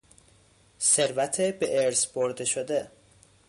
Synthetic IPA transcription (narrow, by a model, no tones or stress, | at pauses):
se̞ɾvæt̪ʰebeʔeɾsboɾd̪eʃod̪e